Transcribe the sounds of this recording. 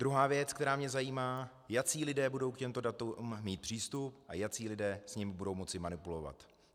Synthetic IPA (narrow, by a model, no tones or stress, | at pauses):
d̥ɾuɦaːvjɛt͡skt̪ɛɾaːmɲɛzajiːmaː | jat͡siːlɪdɛːbudo̞wkcɛmt̪o̞dat̪umːiːt̪̚pr̥iːst̪upʔa̰jat͡siːlɪdɛːsɲɪmɪbudo̞wmo̞t͡sɪmanɪpulo̞va̰t̪